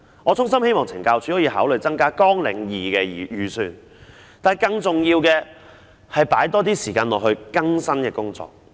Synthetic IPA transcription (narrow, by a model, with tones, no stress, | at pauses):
ŋɔː˨˧t͡sʰʊ˥ŋsɐ˥mhe˥jmɔː˨ŋt͡sʰɪ˨˩ŋkaː˧wt͡sʰyː˨˥hɔː˨˥jiː˧haː˨˥wlɵ˨˧ɥt͡sɐ˥ŋkaː˥kɔː˥ŋlɪ̰˨˩ŋjiː˨˩kɛː˧˨jyː˨˩sy̰ː˨n | t̪aː˨njkɐ˧ŋt͡sʊ˨ŋjiː˧wkɛː˧ | hɐ˨jpaː˨˥jt̪ɔː˥t̪iː˥siː˨˩kaː˧nlɔː˨kɦɵ˧ɥkɐ˥ŋsɐ˥nkɛː˧kʊ˥ŋt͡sɔ̰ː˨k̚